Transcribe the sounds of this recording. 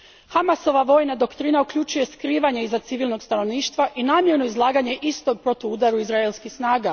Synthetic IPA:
xamaso̞ʋaʋo̞jnad̪o̞kt̪ɾiːnaukʎut͡ʃuje̞skɾiːʋaɲe̞izat̪siʋilno̞ɡst̪ano̞ʋniːʃt̪ʋaʔinaːmje̞ɾnoizlˠaːɡaɲe̞ʔist̪o̞ɡ̚pɾo̞t̪oud̪aɾuizɾaelʲˠskisnaːɡa

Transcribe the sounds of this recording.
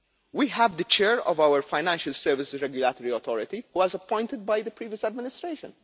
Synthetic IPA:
wiɦævd̪ət͡ʃɛːɹɔ̰vawəɾfaɪnæ̃nʃəlsɛɾvɪsɾɛɡjʊlat̪ɔɾiɔt̪ʰɔɾɪt̪ihuɔzɐpːɔ̃ɪ̃nt̪ɪd̪̚bajd̪əpɾiːvjəsad̪mɪnɪst̪ɾeːʃə̰̃n

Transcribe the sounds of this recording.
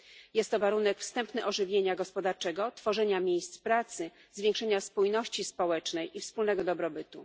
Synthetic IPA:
jɛst̪ːɔvaɾunɛkfst̪ɛmpnɘʔɔʐɘvʲjeɲaɡɔspɔd̪aɾt͡ʂɛɡɔt̪fɔʐɛɲamʲjejst̪spɾat̪sɘ | zvʲjẽŋkʂɛɲaspujnɔɕt͡ɕispɔwɛt͡ʂnɛjʔifspulnɛɡɔd̪ɔbɾɔbɘt̪u

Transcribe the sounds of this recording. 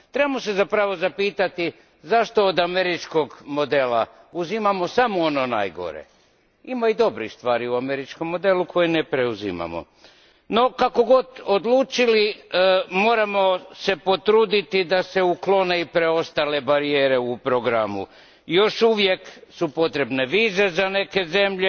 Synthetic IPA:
t̪ɾe̞bamose̞zapɾaʋo̞zapiːt̪at̪i | zaʃt̪o̞ːd̪ame̞ɾit͡ʃko̞ɡmo̞d̪e̞la | uzimamo̞samoono̞na̰jɡo̞̰ɾḛ | imaid̪o̞bɾixst̪ʋaːɾiuame̞ɾit͡ʃko̞mːo̞d̪eːlukʰo̞jenepɾeuzḭma̰mo̰ | no̞kako̞ɡo̞d̪od̪lˠuːt͡ʃili | mo̞ːɾamo̞se̞po̞t̪ɾuːd̪it̪id̪ase̞uklo̞ne̞ipɾeo̞st̪ale̞baɾijeːɾe̞upɾoɡɾamṵ | jo̞ʃuʋje̞ksupo̞t̪ɾe̞bne̞ʋiːze̞zane̞ke̞ze̞mʎe

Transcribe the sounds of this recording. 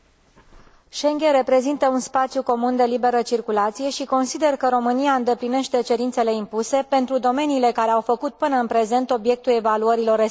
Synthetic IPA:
ʃe̞ŋɡʲeɾe̞pɾe̞zint̪əunspat̪sjuko̞mund̪e̞libe̞ɾət͡ʃirkulat̪sije̞ʃiko̞nsid̪e̞rkəɾo̞mɨniaɨnd̪e̞pline̞ʃt̪e̞t͡ʃe̞ɾint̪se̞le̞impuse̞pe̞nt̪ɾud̪o̞me̞niːle̞kaɾe̞awfəkut̪̚pɨnəɨnpɾe̞ze̞nt̪o̞bije̞k̚t̪ule̞valuəɾilo̞re

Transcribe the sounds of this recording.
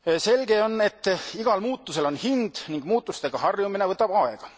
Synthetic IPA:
se̞lɡe̞o̞nːe̞t̪ːˑiɡ̥ɑlmuːt̪ˑːuse̞lo̞nhind̪̥niŋɡ̥muːt̪ːˑust̪e̞ɡ̥ɑhɑrjumine̞vɤt̪ːˑɑb̥ɑe̞ɡ̥ɑ

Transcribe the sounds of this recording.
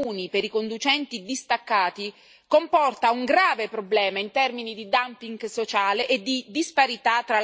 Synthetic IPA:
uːnipeɾikond̪ut͡ʃɛnt̪id̪ist̪akːaːt̪i | kompɔrt̪auŋɡɾaːvepɾoblɛːmaint̪ɛrminid̪id̪ampiŋɡsot͡ʃaːleʔed̪id̪ispaɾit̪at̪ːɾa

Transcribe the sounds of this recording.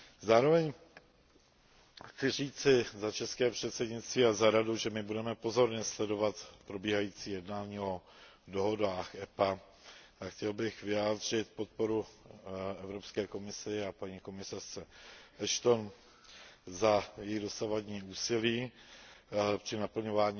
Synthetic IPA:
zaːɾo̞vɛɲ | xt͡sɪr̝iːt͡sɪzat͡ʃɛskɛːpr̝̥ɛt̪sɛdɲɪt̪st̪viːazaɾaduʒɛmɪbudɛmɛpo̞zo̞ɾɲɛslɛdo̞vat̪pɾo̞biːɦajiːt͡siːjɛdnaːɲiːo̞ | do̞ɦo̞daːxɛpa | axcɛlbɪxvɪjaːd̪r̝ɪt̪po̞t̪̚po̞ɾu | ɛvɾo̞pskɛːko̞mɪsɪapaɲiːko̞mɪsar̥t͡sɛʔɛʃt̪o̞n | zajɛjido̞savadɲiːuːsɪliː | pr̝̥ɪnapl̩ɲo̞vaːɲiː

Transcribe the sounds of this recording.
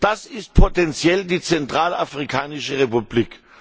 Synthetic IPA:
d̥asɪst̚pʰotɛnt͡sjɛldiːt͡sɛntʁ̥aːlafʁ̥ikʰaːnɪʃəʁepubliːk

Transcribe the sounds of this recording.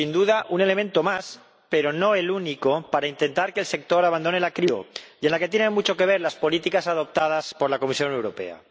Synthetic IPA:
sind̪uð̞aʔune̞le̞mẽ̞nt̪o̞mas | pe̞ɾo̞no̞e̞lunikopaɾaint̪e̞nt̪aɾkeːlse̞k̚t̪o̞ɾaβand̪o̞ne̞lakɾio̰je̞nlaket̪jenẽnmut͡ʃo̞ke̞β̞e̞ɾlaspo̞lit̪ikasað̞o̞p̚t̪að̞aspo̞ɾlakomisjo̞newɾope̞̰a̰

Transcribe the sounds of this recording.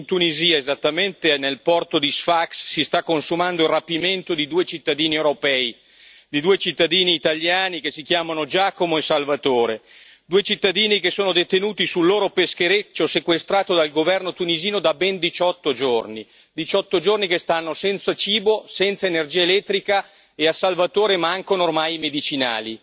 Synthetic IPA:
nt̪uniziːaezat̪ːament̪enelpɔrt̪od̪isfaksːist̪akːonsumand̪oilrapiment̪od̪id̪uːet͡ʃit̪ːad̪iːniewɾopɛːi | d̪id̪uːet͡ʃit̪ːad̪iːniːt̪alːjaːnikesːik̟jaːmanod͡ʒaːkomoesalvat̪oːɾe | d̪uːet͡ʃit̪ːad̪iːnikesːoːnod̪et̪enuːt̪isulːoːɾopesk̟eɾet͡ʃːosekwest̪ɾaːt̪od̪alɡovɛrnot̪uniziːnod̪abɛnd̪it͡ʃɔt̪ːod͡ʒorni | d̪it͡ʃɔt̪ːod͡ʒornikest̪anːosɛnt̪sat͡ʃiːbosɛnt̪saenerd͡ʒiːaelɛt̪ːɾika | easalvat̪oːɾemaaŋkonormaːjmed̪it͡ʃina̰ːli

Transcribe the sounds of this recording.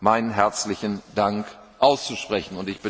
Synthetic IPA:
maɪnənɦɛɐt͡slɪçn̩daŋk | ʔaʊst͡suʃpʁ̥ɛçn̩ʊntɪçb̥ə

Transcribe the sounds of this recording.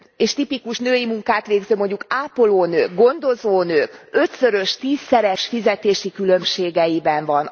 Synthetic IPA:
eːʃt̪ipikuʃnøːjimuŋkaːt̪ʋeːɡzømo̞ɲɟukaːpoloːnøːɡɡo̞nd̪o̞zoːnøːkø̞t̪sø̞ɾø̞ʃt̪iːsːɛɾɛʃfizɛt̪eːʃikylø̞mʃeːɡɛjibɛɱvɒn

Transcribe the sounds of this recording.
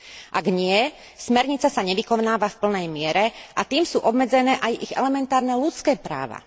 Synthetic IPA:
ʔaɡɲɪɛ | smɛɾɲit͡sasaɲɛʋikɔnaːʋafpl̩nɛjmɪɛɾɛʔat̪iːmsuːʔɔbmɛd͡zɛnɛːʔajiɣɛ̰lɛmɛnt̪aːɾnɛlut͡skɛːpɾa̰ːʋa̰

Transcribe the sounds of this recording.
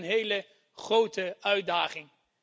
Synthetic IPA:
nɦejlə | χrowtəœɥdaːχɪŋ

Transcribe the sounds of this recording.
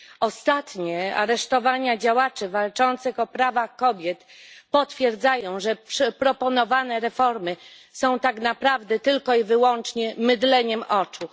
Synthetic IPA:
ɔst̪at̪ɲɛa̰ɾɛʂt̪ɔvaɲad͡ʑawat͡ʂɛvalt͡ʂɔnt̪sɘxɔpɾavaxkɔbʲjɛt̪pɔt̪fʲjɛɾd̪zajɔ̃w̃ʐɛpʂɛpɾɔpɔnɔvanɛɾɛfɔɾmɘ | sɔ̃w̃t̪aknapɾavd̪ɛt̪ɘlkɔivɘwɔnt͡ʂɲɛmɘd̪lɛɲɛmʔɔt͡ʂu

